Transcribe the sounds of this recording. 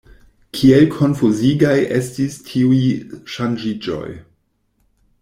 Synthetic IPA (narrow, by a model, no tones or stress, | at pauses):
kʰielkʰo̞nfuziɡajʔe̞stistʰiujiʃand͡ʒid͡ʒo̞̰j